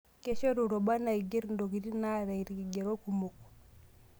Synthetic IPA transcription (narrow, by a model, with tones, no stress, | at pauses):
ke˦ʃo˦ɾu˨ɾo˨ba˦na˨i˨ɡe˦ɾndo˨ɡi˨ɾi˦na˦ɾa˨i˨ɾɡi˨ɡe˨ɾo˦ku˨mo˨k